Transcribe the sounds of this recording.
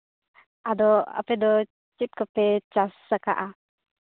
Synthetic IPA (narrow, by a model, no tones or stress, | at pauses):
ad̪ɔa̰pɛd̪ɔ | t͡ʃit̪̚kɔpɛt͡ʃasːaka̰ʔa